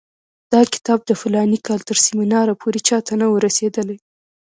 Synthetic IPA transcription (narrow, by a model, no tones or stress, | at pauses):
d̪̥ɑkɪ̥t̪ɑb̚d̪əfʊlɑnikɑlt̪əɾsiminɑɾapʰoɾet͡ʃɑt̪anawəɾased̪əlaj